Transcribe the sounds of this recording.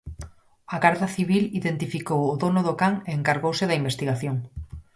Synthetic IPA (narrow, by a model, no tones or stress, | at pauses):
aɣaɾðaθiβ̞iliðent̪ifikowʊðonʊðokaŋeeŋkaɾɣowsɪðɐimbest̪iɣaθjoŋ